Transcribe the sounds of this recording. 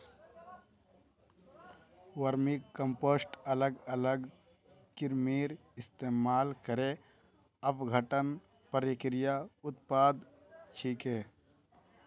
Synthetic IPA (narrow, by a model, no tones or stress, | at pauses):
ʋəɾmikəmposʈələɡələɡ | kɪɾmiːɾ | ɪst̪eːmaːlkəɾe | əpɡʱəʈən | pəɾikɾɪjaʊt̪paːd̪ | t͡ʃʰiːkeː